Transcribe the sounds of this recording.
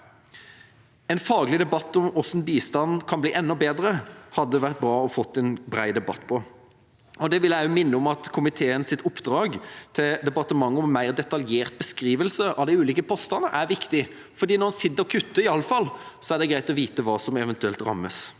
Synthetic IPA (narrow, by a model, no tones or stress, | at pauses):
ɛnfɑːɡlɪd̪ɛbɑt̪ːɔmɔsnbiːst̪ɑnkʰɑnbliːʔɛnːɔbeːd̪ɾəhɑd̪ːəʋæɾʁt̪̚bɾɑːɔfɔt̪ːɛnbɾæ̰ɪd̪ɛbɑ̰t̪ːpʰɔ | ɔd̪ɛʋɪlæʊmɪnːəɔmɑt̪kʰʊmɪt̪ʰeːənsɪt̪ʊpd̪ɾɑːɡt̪ʰɪld̪ɛpɑt̪əmɑŋːɔmmːæɪʁd̪ɛt̪ɑljeːʁt̪̚bəskɾiːʋəlsəʔɑ̰ʋd̪æɪʉːliːkəpʰɔːst̪ɑnəʔæɾʋɪkt̪ɪ | fɔɾd̪iːnɔnsɪt̪ːəɔkʰʉt̪ːəɪɑlːəfɑlːsɔæɾd̪ɛɡɾæɪt̪ɔʋiːt̪əʋɑːsɔmɛʋɛnt̪ʉɛlt̪ɾɑ̰mːəs